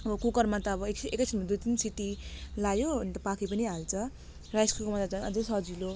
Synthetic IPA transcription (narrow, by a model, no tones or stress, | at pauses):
ʌbʌkukʌrmat̪aːbʌekekʌsʰimad̪ut̪insiʈ̪ilajoʌnt̪ʌpakʰipʌniɦalt͡sʰʌ | rajskukomat̪at͡sʌnʌ̰d͡zʌsʌd͡zilo